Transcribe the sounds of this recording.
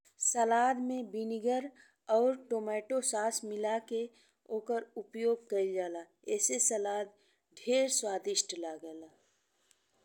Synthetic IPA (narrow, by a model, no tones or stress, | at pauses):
səlaːd̪mẽbinɪɡəɾ | ɔːɾʈoːmɛːʈosaːsmɪlake | oːkəɾʊpjoːɡ̚kəid͡ʒaːlaː | ɛːsesəlaːd̪̚ | ɖʱeːɾswaːd̪ɪʃʈʰlaːɡəlaː